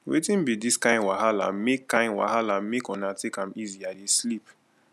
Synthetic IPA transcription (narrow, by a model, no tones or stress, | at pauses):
wḛtĩnbidiskãɪ̃nwaɦalã̰mmekːãɪ̃nwa̰halammekɔ̃natʰekãmiziadeslip